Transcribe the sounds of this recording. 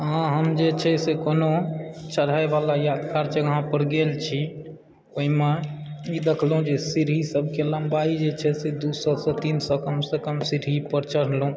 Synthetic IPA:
ãɦəmd͡ʒet͡ʃʰɛsekonot͡ʃəɽ̤aebalajad̪kaɾt͡ʃeɡəɦãpəɾɡelt͡ʃʰi | oɦimeid̪ekʰlɦũd͡ʒesiɾɦisəbʱkeləmbaid͡ʒet͡ʃʰɛsed̪usɔsə̃t̪insə̃kəmsekəmsiɾɦipəɾt͡ʃəɽ̤lũ

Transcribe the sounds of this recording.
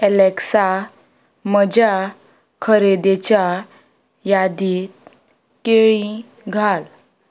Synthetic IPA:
ɛleksa | məd͡ʑa | kʰəɾed̪et͡ɕa | jad̪iːt̪̚ | keɭĩ | ɡʱal

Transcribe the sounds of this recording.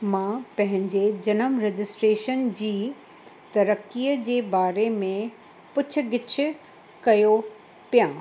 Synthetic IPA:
mãpɐ̃ɦɪ̃ɲd͡ʑed͡ʑɐnəmɾɛd͡ʑɪsʈɾeːʃənd͡ʑiː | t̪ɐɾəkːiːjəd͡ʑeːbaːɾemẽ | pʊt͡ɕʰʊ̆ɡɪt͡ɕʰʊ̆ | kɐjo | pijãː

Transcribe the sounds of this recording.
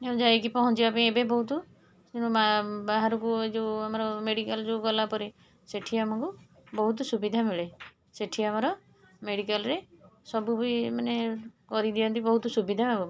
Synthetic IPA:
eũd͡ʒaekipɔɦɔnt͡ʃiapiebebɔɦut̪̬u | d͡ʒenũmabaɦaɾɔkued͡ʒewamɔɾɔmeɽikald͡ʒeɡɔlapɔɾe | seʈʰiamɔkubɔɦut̪ɔsubid̪ʱamiɭe | seʈʰiamɔɾɔ | meɽikalɾesɔbubuimanekɔɾid̪iɔnt̪ibɔɦut̪ɔsubid̪ʱababɔ

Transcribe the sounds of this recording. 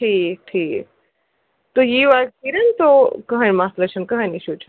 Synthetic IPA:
ʈʰiːk̚ʈʰiːk̚ | t̪ojiːʋaltiɾɐnt̪okɐɦənmaːslɐt͡ʃʰɐnkɐɦəniʃʰut͡ʃʰɐn

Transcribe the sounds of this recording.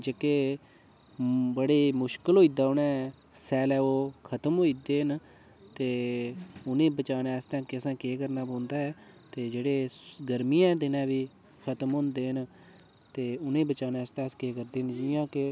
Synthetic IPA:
d͡ʒekeː | bəɽeːmʊʃkəlɦoːiːd̪aːʊnɛ̃ː | sɛːlɛːoːkʰət̪əmɦoːiːd̪eːɦən | t̪eː | ʊnẽːbət͡ʃaːnɛːst̪ãːkɪəsãːkeːkəɾnaːpõːnd̪aːɛː | t̪eːd͡ʒeːɽeːɡəɾmijãːd̪ɪnɛ̃ːʋiː | kʰət̪mɦõːnd̪eːɦən | t̪eːʊnẽːbət͡ʃaːnɛːst̪ɛ̃ːskeːkəɾd̪eːnd͡ʒɪjãːkɪ

